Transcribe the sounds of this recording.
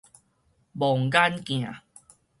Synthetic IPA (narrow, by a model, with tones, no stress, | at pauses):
bɔ˨˩ŋka˦nkj̃ã˨